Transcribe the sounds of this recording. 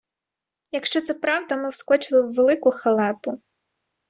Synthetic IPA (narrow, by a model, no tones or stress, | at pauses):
jɐkʃt͡ʃɔt̪sɛpɾɑwd̪ɐmɪwskɔt͡ʃɪlˠɪwːelˠɪkʊxɐlˠɛpʊ